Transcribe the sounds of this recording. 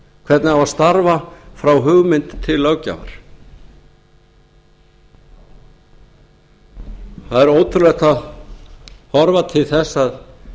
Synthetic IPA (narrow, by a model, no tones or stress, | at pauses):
kʰv̥ɛɾt̪nɪavaðst̪aɾvafɾawɦʏɣmɪnt̪ʰːɪlːœwca̰va̰ɾ̥ | θaðɛɾoːwt̪ʰʏɾlɛht̪að | hɔɾvat̪ʰɪlθɛsːað